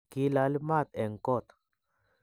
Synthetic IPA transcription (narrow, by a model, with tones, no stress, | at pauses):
ki˦la˦li˦ma˦˨t̪e˨ŋ˨ko˦˨t̪